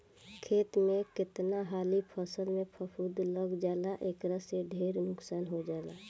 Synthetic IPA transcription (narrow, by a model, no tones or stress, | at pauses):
kʰeːt̪mẽkɪt̪naɦaːlipʰəsəlmẽpʰəpʰud̪ləɡd͡ʒaːlaʔeːkɾaseɖʱeːɾnʊksaːnɦod͡ʒaːlaː